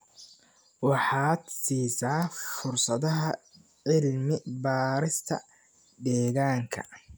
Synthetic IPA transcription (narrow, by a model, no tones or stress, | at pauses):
wɑħɑːd̪siːsaːfʊrsɐðɐɦɐ | ʕɪlmɪbaːɾɪst̪ʰɐ̰ | d̪ɛːɣaːŋkʰɐ̰